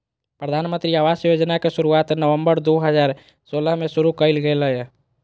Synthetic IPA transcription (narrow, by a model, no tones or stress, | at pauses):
pɾəd̪ʱaːnmə̃nt̪ɾiaːʋaːsjoːd͡ʒnakeʃʊɾuaːt̪nəʋə̃mbəɾd̪oːɦəzaːɾ | soːləɦmẽsʊɾukəɪlɡəeləɛ